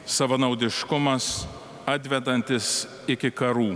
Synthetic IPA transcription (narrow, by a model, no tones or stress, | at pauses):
sɐʋɐnɐʊd̪ʲɪʃkʊmɐs | ɑd̪ʲʋʲɛd̪ɐnʲt̪ʲɪs | ɪkʲɪkɐɾuː